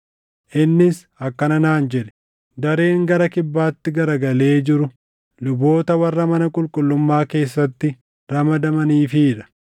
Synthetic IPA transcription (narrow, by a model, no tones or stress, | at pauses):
ʔɪnːɪs | ɐkːɐnɐnaːnd͡ʒɛᶑɛ̥ | d̪ɐɾe̞ːŋɡɐɾɐkɪbːaːt̪ːɪɡɐɾɐɡɐle̞ːd͡ʒɪɾʊ | lʊbo̞ːt̪ɐwɐrːɐmɐnɐkʼʊlkʼʊlːʊmːaːke̞ːsːɐt̪ːɪ | ɾɐmɐd̪ɐmɐniːfiːɾɐ̥